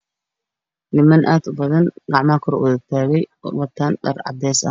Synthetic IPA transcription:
lɪmɐnʔaːt̪ʊbɐðɐnɡɑʕmakʰɐɾɔʔʊðɐt̪ʰːaːɣɛjwɐt̪ʰːaːnɗɐ̰ɾʕɑ̰d̪ɛːsɐ̰

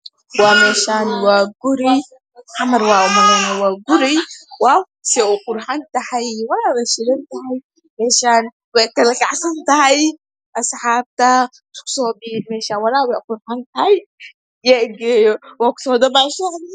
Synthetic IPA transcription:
waːmɛːʃaːnwaːɡʊɾɪ | ħamɐɾwaːʊmɐnɐnɐwaːɡʊɾɪwaː | sɛɔqʊɾħant̪ɐhɐjwɐlaːwɛʃɪɾɐnt̪ʰɐɦɐj | mɛːʃaːn | wɛkɐlɐkaʕsɐnt̪ɐɦɐj | ʔɐsħaːb̚t̪ʰɐ | t̪ʊ̥ksɔːbiːdmɛːʃaːwɐlaːwɛqʊɾħant̪ʰɐhɛj | jɛɡɛːjɔwaːkʊ̥sɔːd̪ɐbasɔn

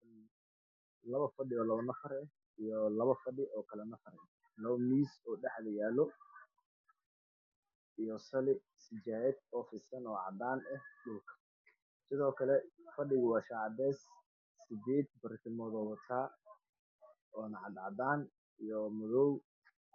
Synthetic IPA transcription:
lɐβɐfɐɖɪɔːlɐβɐnɐfɐɾɛ | ijɔlɐβɐfɐɖɪʔɔːkʰɐlɛnɐfɐɾɛ | lɐβɐmiːsɔːɖɛħðɐjaːlɔ | ijɔsɐlɪ | sɪt͡ʃahɛd̪̚ɔːfɪsɐnɔːʕɑ̰d̪aːnɛhɖʊlkʰɐ̥ | sɪðɔːkʰɐlɛfɐɖɪɣʊwɑːʃaʕɑd̪ɛːsː | ɪd̪ɛːd̪̚bɐɾɐk̪ʰɪmɔːðɔːwɐt̪ʰaː | ɔːnɐʕɑd̪ʕɑ̰d̪aːn | ijɔmʊðɔw

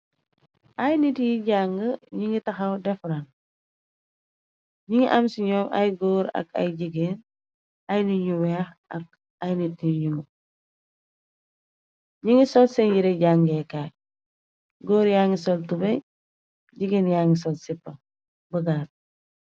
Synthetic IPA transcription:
ʔajnitjiɟaŋɡəɲiŋɡitɐxɐwdɛfɾan | ɲiŋiʔɐmsiɲɔːmɐ̰jɡɔːɾɐ̰kɐ̰jɟiɡen | ɐjniɲuwɛx | ɐ̰k̚ | ɐjnit̚ːijɲuŋu | ɲiŋɡisɔlsɛɲjiɾɛɟaŋɡɛkaː | ɡɔːɾjaːŋɡisɔltubɛ | ɟiɡeːnjaːŋɡis̬ɔlsipːɐ | bəɡaːt̚

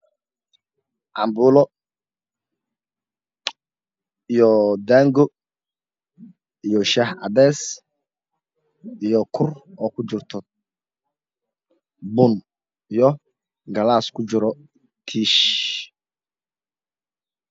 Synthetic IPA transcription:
ʕɑmbuːlɔ | ijɔd̪aːŋɡɔ | ijɔʃɐħɐ̰dɛːs | ijɔkʰʊrɔːkʰʊt͡ʃɪrt̪ʰɔ | bʊn | ijɔ | ɡɐlaːskʰʊt͡ʃɪɾɔ | t̪ʰiːʃ

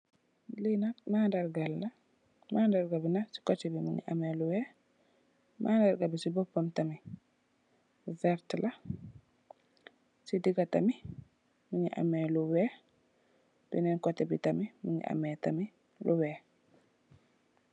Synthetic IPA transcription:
linamaːndaɾɡalːa | mʔandaɾɡabinasi̥kɔtɛbimḭŋḭʔamɛluwɛː | mʔandaɾɡabisibɔpːamtami | vɛɾtla | sidiɡata̰mi | miɲiʔa̰mɛluwɛː | dṵnɛnkɔtːɛbitamimiɲḭʔa̰mɛtami | luwɛː

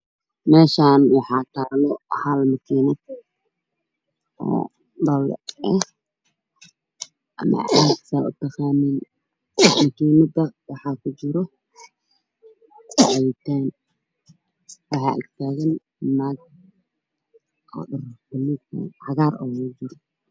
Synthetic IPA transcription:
mɛːʃaːnwɑħɑːt̪ʰaːlɔhɐlmɐkʰiːnɐð | ɔ̰ː | dɐlɛ̰ɐ | ʔɐ̰mɐ̰ʕassaʊ̰t̪ɐqaːmin | mɐkʰiːnɐðɐwɑħɑːkʰʊd͡ʒɪɾɔ | ʕɔjt̪ʰaːn | wɑħɑ̰ːʔɪst̪ʰaːɣɐn | maːɡ̚ | ɔ̰ːɗɐrb̥ɪliːa̰ʕɑɣaːrɔ̰ːɣʊd͡ʒɪɾɔ

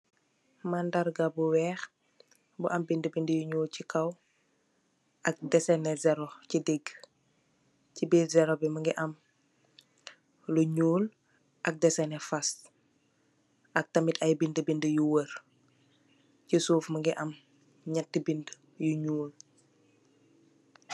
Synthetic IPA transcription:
mɐndɐɾɡabuwɛːx | buʔɐmbindəbindəjuɲuːlcikɐw | ʔɐk̚dɛsɛnɛzɛɾɔcidiɡ | cibizɛɾɔbɛmɐŋɡiʔɐm | luɲuːl | ʔɐk̚dɛsɛnɛfɐs | ʔɐk̚tɐmitɐjbindəbindəjuwər | cisuːfmɐŋɡiʔɐm | ɲɐtːəbind | juɲuːl

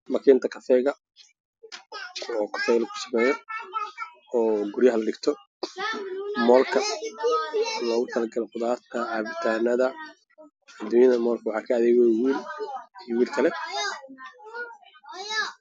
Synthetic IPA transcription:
mɐkʰiːnt̪ʰɐkʰɐfɛjɣɐ | ɔːkʰɐ̥fɛjlɐkʰʊ̥sɐmɛːjɔ | ɔːɡʊɾjɐɦɐlɐɖɪɡt̪ʰɔ | mɔːlkʰɐ | lɔːɣʊt̪ʰɐlɐɡɐlɔqʊðaːt̪kʰɐʕɑβɪt̪ʰaːnɐðɐ | ɐd̪ʊmjɐðɐmɔːlkʰɐwɑħɑːkʰɐʕɑðɛːɣɛwiːlijwiːlkʰɐlɛ

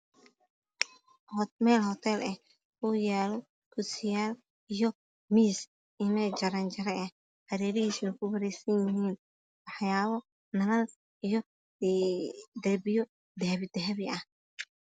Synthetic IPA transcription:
hmɛːlhɔt̪ʰɛlɛh | uːjaːlɔ | kʰʊsɪjaːl | ijɔ | miːs | ɪmɛt͡ʃɐɾant͡ʃɐɾɛɛ | ħɐɾɛːɾɪhiːswɛjkʰʊwɐɾɛjsɐɲjɪɦiːn | wɑħjaːβɔ | nɐnɐl | ijɔ | d̪ɐrbɪjɔ | d̪ɛɦβɪd̪ɛɦɛβɪʔɐh

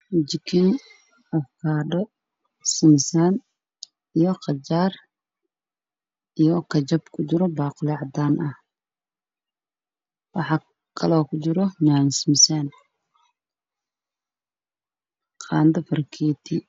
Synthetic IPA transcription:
t͡ʃɪkʰin | ɐfkʰaːɖɔ | sɪmɪsaːn | ijɔqɑt͡ʃaːr | ijɔkʰɐt͡ʃɐbkʰʊt͡ʃɪɾɔbaːqlɛʕɑd̪aːnʔɐh | wɑħɑ | kʰɐlɔːkʰʊt͡ʃɪɾɔɲaːnsmɪsaːn | qɑːnd̪ɐfɐrkʰiːt̪ʰi

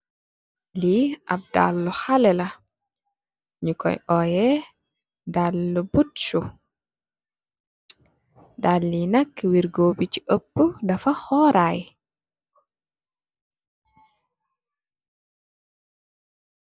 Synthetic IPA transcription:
liːʔab̚da̰lːɔxalɛlɐ | ɲukɔ̰jʔɔjɛ | dalːubutt͡ʃu | dalːinɐkːwiɾɡoːbit͡ʃiʔobːudɐfaxɔːɾaj

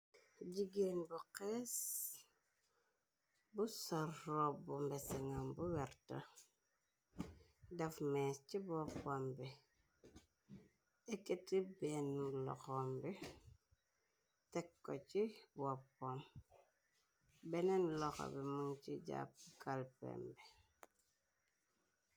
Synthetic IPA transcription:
ɟiɡeːnbuqɛːs | busɐrːɔbɔmbɛsɛŋambuwɛɾtɐ̰ | dɐfmɛːscibɔpːombi | ɛketibɛːnulɔ̰xɔmbi | tɛkːociwɔpːom | bɛnɛnlɔxɔ̰bimunt͡ʃiɟa̰ːp̚kalpɛ̰mbi

